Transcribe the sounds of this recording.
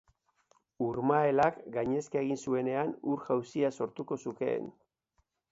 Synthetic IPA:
uɾmae̞lakɡaɲe̞skaeɣ̞insue̞ne̞anuɾʝawsiaso̞ɾt̪uko̞suke̞̰ːn

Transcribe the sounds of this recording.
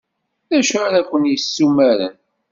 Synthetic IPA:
ðæʃaɾækʷːənjəsːumæɾə̰n

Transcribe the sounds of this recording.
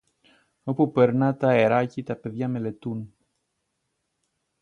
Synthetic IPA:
o̞pupe̞ɾnɐt̪ɐeɾɐcit̪ɐpe̞ðʝɐme̞le̞t̪un

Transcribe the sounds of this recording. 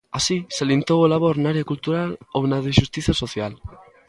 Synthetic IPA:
asisealint̪oolaβ̞oɾnaɾjakult̪uɾalonaðeʃust̪iθjasoθjal

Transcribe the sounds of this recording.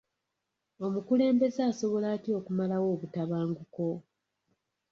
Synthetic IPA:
o̞mukule̞ːmbe̞zeaso̞βo̞laːtio̞ːkumalawo̞ːβutaβaːŋɡuko̞

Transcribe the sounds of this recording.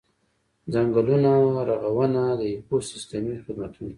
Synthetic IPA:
d͡zaŋɡəlunaɾaɣawənad̪əiposɪst̪əmixɪd̪mat̪una

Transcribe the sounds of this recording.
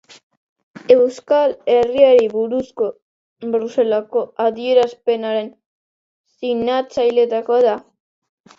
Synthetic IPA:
e̞wskale̞riaɾiβuɾusko̞ | bɾuse̞lako̞aðie̞ɾaspe̞naɾe̞n | sinat͡sajle̞t̪ako̞ða

